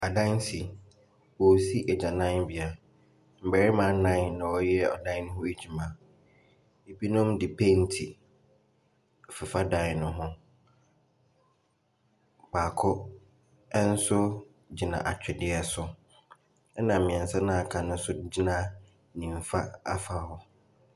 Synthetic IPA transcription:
a˨dã˦nsi˨ | wɔ˨si˦ʔɛ˨d͡ʑa˨nã˦ɪ˦n˦bɪ˨a˨ | m̩˨bæ˨ɾɪ˦mã˨˦nã˦ɪ˨nːã˨ɔ˦jɛ˦ɔ̰˨dã˦ɪ̃˦ñ˦ɦʊ̃˦e˦d͡ʑᶣi˨mã˨ | e˨bi˦nʊ̃˦mdɪ˨pʰe˦n̩˦tʰi˨ | fɪ˨fa˦dã˦ɪ˨nʊ̃˦ɦʊ̃˦ | baː˨kʰʊ˦ | ɛ˦n̩˦sʊ˦ | d͡ʑi˨nã̰˨ʔa˨t͡ɕᶣɛ˨dɪ˦ɛ˦sʊ˨ | ɛ˦nã˨mɪ̃˨ɛ̃˨n˨sa˦nã˨a˨kʰã˨nʊ̃˦sʊ˦d͡ʑi˦nã˦ | nĩ˨m˨fa˦a̰˦fa˨˦hɔ˦

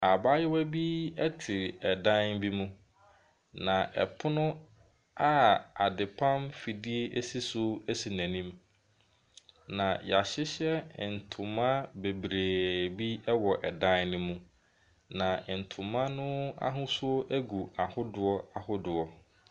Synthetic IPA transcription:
a˨ba˦jɪ˦wæ˦bi˦ɛ˦tʰɪ˨ɾɛ˨dã˦nbi˦mũ˦ | nã˨ʔɛ̰˨pʰʊ˦nʊ̃˦ | a˦a˨dɪ˨pʰã˦mfi˨di˦e˦ʔe˦si˦sʊ˦æ˦si˨næ̃˨nĩ˦m | nã˨ja˨ɕɪ˦ɕɛ˦˨n̩˨tʰʊ̃˨mã˦be˨bɾeː˨bi˦ɛ˦wɔ˨ʔɛ˨dã˦nnʊ̃˦mũ˦ | nã˨n̩˨tʰʊ̃˨mã˦nʊ̃˦a̰˦ɦʊ̃˦sʊ˦ɔ˦ʔæ˦ɡu˨a˨hʊ˦dʊ˨ɔ˦a˨hʊ˦dʊ˨ɔ˨

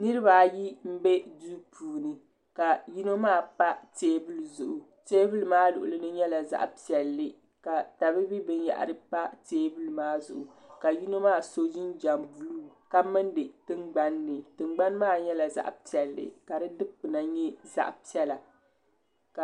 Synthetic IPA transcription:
nɨ˦ɾɨ˦ba˨ji˦m̩˦be˦du˦pʰuː˨nɨ˨ | ka˨ji˦no˦maː˦˨pa˦teː˦bɨ˦lɨ˨zʊ˨ʔʊ˨ | teː˦bɨ˦lɨ˦maː˦lʊ˨ʔʊ˨lɨ˦nɨ˦ɲɛ˦la˨za̰˨ʔpi˨ɛ˨lːɨ˨ | ka˨ta˨bɨ˦bi˦bɨ˦nja̰˨ʔa̰˨ɾɨ˦pa˦teː˦bɨ˦lɨ˦maː˦zʊ˨ʔʊ˨ka˨ji˦no˦maː˦˨so˦d͡ʒi˦nd͡ʒa˨mbu˨luː˦ | ka˦mɨ˦ndɨ˨tɨ˦ŋɡ͡ba˦nːɨ˨tɨ˨ŋ͡mɡ͡ba˦nmaː˦˨ɲɛ˦la˨za̰˦ʔpi˨ɛ˨lːɨ̰˨ka˨ɾɨ˦dɨ˦k͡pɨ˨na˨ɲɛ˦za̰˦ʔpi˦ɛ˦la˨ | ka˨

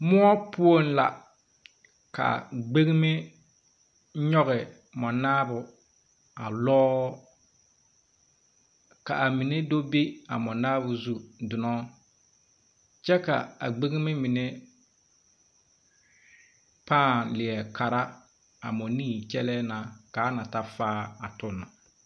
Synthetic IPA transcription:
mʊ˦ɔ˦pʰʊ˦o˦n˦la̰˨ | ka̰˨ɡ͡be˦ɣi˦me˦ | ɲɔ˦ɣɪ˨ | mɔ˨naː˦bʊ˨ | a˨lɔː˦ | ka̰˨a˨mi˨ne˦do˦be˦a̰˨mɔ˨naː˦bʊ˨zu˦dʊ˨nɔ˦ | t͡ʃɛ˦ka̰˨a̰˨ɡ͡be˦ɣi˦me˦mi˨ne˦ | paː˦˨lɪ˨ɛ˨kʰa˨ɾa˦ | a˨mɔ˨niː˦˨t͡ʃɛ˦lɛː˦na˨ka˨˦na˨ta˦faː˦a˨tʊ˦nːa˨

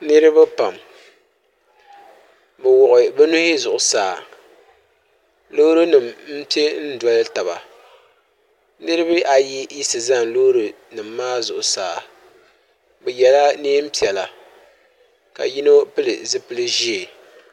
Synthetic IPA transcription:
nɨ˦ɾɨ˦bɨ˦pa˨m | bɛ˨wɔ˨ʔʊ˨bɛ˦nu˦ɪ˦zʊ˨ʔʊ˨saː˨ | lo˦ɾo˦nɨ˨mm̩˦pi˦e˦n̩˦dɔ˦lɨ˦ta˨βa̰˨ | nɨ˦ɾɨ˦bɨ˦ʔa˨ji˦ji˦sɨ˨za˦nlo˦ɾo˨ | nɨ˨mːaː˦zʊ˨ʔʊ˨saː˨ | bɛ˨jɛ˨la˦neː˦m̩˦pi˨ɛ˨la˨ | ka̰˨ji˦no˦pɨ˦lɨ̰˨zɨ˦pɨ˦lɨ˦ʒi˦e˨

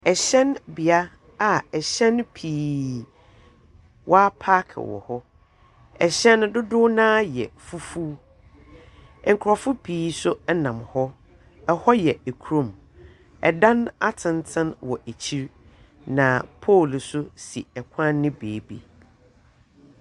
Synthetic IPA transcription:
ɛ˨ɕɛ̃˦nbi˨a˦ | a˨ɛ˨ɕɛ̃˦npʰiː˨ | wʔɔ˦a˦pʰa˦kʰwɔ̰˨hɔ˦ | ɛ˨ɕɛ̃˦ndʊ˦dʊ˦nãː˦jɛ̰˨fu˦fuː˦ | ŋ̩˨kʰʊ˨ɾɔ˨fʊ˦pʰiː˨˦sʊ˦ɛ˦nã˨mhɔ˦ | ɛ˨hɔ˦jɛ˨æ˨kʰu˦ɾõ˨m | ɛ˨dã˦na˦tʰɪ̃˨ntʰɪ̃˦nwɔ˨ʔæ˨t͡ɕʰi˦ɾ | nã˨pʰo˦˨lsʊ˦si˨ɛ˨kʷʰã˦nːɪ̃˦beː˨˦bḭ˨

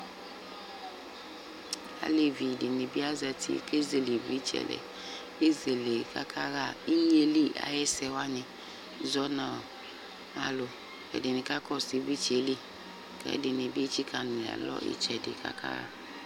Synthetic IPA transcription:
a̰˦le˨vi˨dɪ˨nɪ˨bi˦a˦zɛ˨tḭ˦˨ke˦ze˨le˨vi˦t͡ʃɛ̰˨lɛ̰˨ | e˦ze˨le˨ka˦kʰa˦ɣa˦˨i˦je˦li˦a̰˨jɛ˦sɛ˨wa˦nɪ̃˨ | zɔ˦na˨ | a˨lʊ˨ | ɛ̰˨dɪ˨nɪ˨ka˦kɔ˦si˨˦bi˦t͡ʃe˨˦li˦ | kɛ̰˦dɪ˨nɪ˨bi˦e˦t͡ʃi˦kʰa˨nʊ̃˨la̰˨lɔ̰˦ʔḭ˦t͡ʃɛ˨dɪ̰˨ka̰˦kʰa̰˦ɣa̰˦

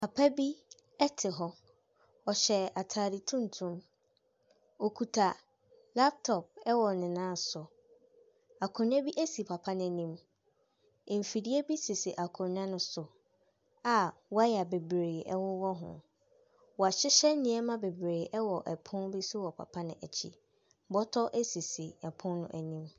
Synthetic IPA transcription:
pʰa˨pʰa˦bi˦ | ɛ˦tʰɪ˨ɦɔ˦ | ɔ˨ɕɛ˨a˨tʰaː˨ɾi˨tʰũ˦n̩˨tʰũ˦m | o˨kʰu˨tʰa˨ | la˦p̚tʰɔ˨p̚ɛ˦wɔ˨nɪ̃˨nãː˦˨sʊ˨ | a˨kʰʊ̃˨ɲᶣ˦ã˦bi˦ʔe˦si˨pʰa˨pʰa˦nɪ̃˨˦nĩ˨m˨ | m̩˨fi˨di˦e˦bi˦si˨si˨ʔa˨kʰɔ̃˨ɲᶣ˦ã˦nʊ̃˦sʊ˨ | a˨wɔ˦a˦ja˨be˨bɾe˨ɛ˦wɔ˦wɔ˦ɦʊ̰̃˨ | wɔ˨a˨ɕɪ˦ɕɛ˦n˦nĩ˨˦ɛ˦mã˦be˨bɾeː˨ʔɛ˦wɔ˨ʔɛ˨pʰʊ̃˦nbi˦sʊ˦wɔ˨pʰa̰˨pʰa˦nɪ̃˨ʔæ˨t͡ɕʰḭ˦˨ | bɔ˦tʰɔ˦ʔɛ˦si˨si˨ɛ˨pʰʊ̃˦nnʊ̰̃˦ʔæ˨nĩ˦m

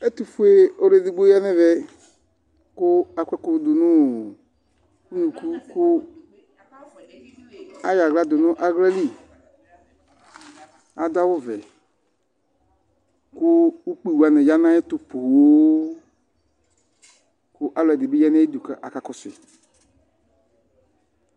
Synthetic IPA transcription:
e˦t̪u˨fu˦e˦o˦ɾe˨di˨ɡ͡bo˦a˦nɛ˦vɛ˨ | kʊ˦a˨kʷɛ˦kʊ˦d̪ʊ˨nʊ̃˦˨ | ku˦nũ˨ku˦kʊ˦ | a˦ja˨ɣla˦d̪ʊ˨nʊ̃˦ʔa˨ɣlɛ˦li˦ | a˨d̪a˦wʊ˦vɛ˨ | kʊ˦u˦k͡pi˨wu˨a˨nɛ˨ja˦nã˦ɛ˦t̪ʊ˦po˨wwo˦ | kʊ˦ʔa˦lɔ˨ɛ˨dɪ˨be˦ja˦nɛ˦e˦d̪u˨ka˨˦ʔa˨ka˦kɔ˦sɪ˨

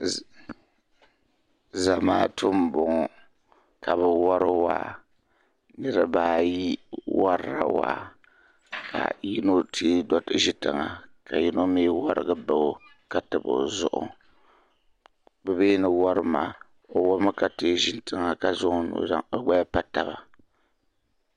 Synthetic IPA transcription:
za˨maː˦tʊ˦m˦bʊ˨ŋɔ˨ | kʰa˨βɛ˨wɔ˦ɾɨ˦wa̰˨ | nɨ˦ɾɨ˦baː˨ji˦wa˦ɾɾa̰˦wa̰˨ | kʰa̰˨ji˦no˦tʰi˦dɔ˦tɨ˦ʒi˦tɨ˨ŋa˨ka˨ji˦no˦meː˦wa˦ɾɨ̰˨ɡɨ˨ba˨o˦ | ka˨tɨ˨bɨ˨zʊ̰˨ʔʊ̰˦˨ | bɛ˨beː˦nɨ˦wa˦ɾɨ˦ma˨ | o˨wɔ˦mɨ˦ka˨te˦˨ʒi˦ntɨ˨ŋa˨ka˨zʊ˦ʔnṵ˨za̰˦ŋo˦ɡ͡ba˦pa˦ta˨ba˨

